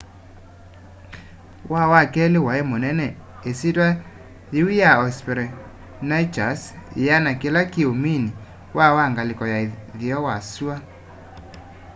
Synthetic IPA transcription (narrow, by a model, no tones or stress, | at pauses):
wʔawakɛlewaemonɛnɛ | esitwa | ðiijaɔspɛɾɛ | nait͡ʃasjanakelakiomini | wawaŋɡalekɔjaðjɔwaswa